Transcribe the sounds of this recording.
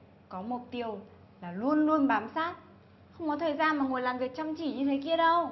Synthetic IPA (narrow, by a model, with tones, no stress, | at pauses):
kɔ˨˦mʊ˨˩t̚t̪i˧˩əw | laː˨˩lu˧ənlu˧ənɓaː˨˦msaː˦˥t̚ | xə˧wŋ͡mkɔ˨˦t̪ʰəː˨˩jzaː˧nmaː˨˩ŋu˨˩əjlaː˨˩mvi˨˩ək̚t͡ɕɔ˧wŋ͡mt͡ɕi˧˩ɲɨ˧t̪ʰe˨˦ki˧əɗə˧w